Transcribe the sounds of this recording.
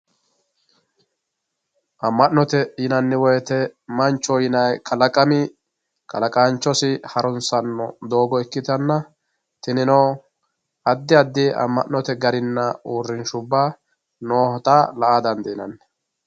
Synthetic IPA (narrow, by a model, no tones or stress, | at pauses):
ʔɐmːɐʔnɔt̪ɛjɪnɐnːɪwɔjɛt̪ɛmɐnt͡ʃːɔjɪnɐjkʰɐlɐkʼɐmɪ | kʰɐ̰lɐkʼaːnt͡ʃːɔsɪhɐɾɔnsɐnːɔd̪o̞ːɡɔɛkːɪt̪ɐnːɐ | t̪ɪnɪnoː | ɐd̪ːɪɐd̪ːɪʔɐ̰mːɐ̰ʔnɔt̪ɛɡɐɾɪnːɐuːrːɪnʃʊbːaː | noːhɔt̪ʼaːlɐʔaːd̪ɐnd̪ɪɪnɐ̰nːɛ